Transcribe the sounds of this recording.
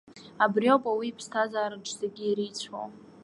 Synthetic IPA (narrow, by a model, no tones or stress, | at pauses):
abrjo̞pʼawiːpʰstʰazaːɾɨʈ͡ʂʰzaɡʲiːɾit͡sʷʰo̰w